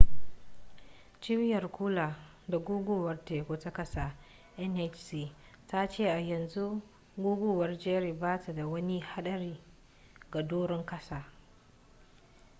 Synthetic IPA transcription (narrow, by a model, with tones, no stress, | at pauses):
t͡ʃɪ˦bɪ˦jɐ˨rkʷu˦laː˨ | da˨ɡʷuː˦ɡʷuː˦wɐ˦rteː˨kʷo˨ta˦kɐ˦sa˨ | ʔɛ˦nʔɛ˦t͡ʃsiː˨ | ta˦t͡ʃeː˦˨ʔa˨jɐ˨nzu˦ | ɡuː˦ɡʷuː˦wɐ˦rd͡ʒeː˦ɽiː˨baː˦ta˨da˨wɐ˦ni˦ha˦ɗɐ˦ɾiː˦ | ɡa˨doː˦ɽɔ˦ŋkɐ˦saː˨